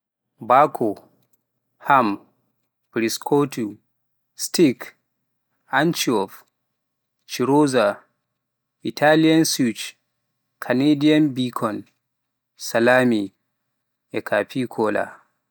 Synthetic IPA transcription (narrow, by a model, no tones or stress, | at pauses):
bakʰɔ | ham | pɾiskʰotu | stik | ant͡ʃiɔf | t͡ʃiɾoza | ʔitʰaliansut͡ʃ | kʰanedianbikʰɔn | salami | ʔɛkʰapikʰɔːla̰